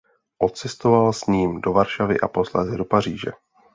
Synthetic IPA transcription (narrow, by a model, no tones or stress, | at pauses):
ʔo̞t̪t͡sɛst̪o̞valsɲiːmdo̞vaɾʃavɪʔapo̞slɛzɛdo̞par̝iːʒɛ̰